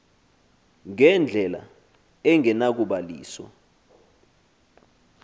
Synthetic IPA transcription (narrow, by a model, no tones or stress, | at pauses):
ŋɛnd͡ɮʱɛla̰ | ɛŋɛnak̬uɓalḭːswɔ̰